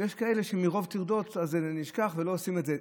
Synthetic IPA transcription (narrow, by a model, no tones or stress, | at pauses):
jeʃkae̞le̞ʃemiʁo̞vt̪iʁd̪o̞tazniʃkaχvelo̞osimedze